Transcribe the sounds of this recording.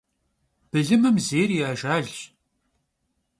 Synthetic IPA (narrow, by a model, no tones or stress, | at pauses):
b̥ɨɮɨmɨmzeːriaːʒaːɮ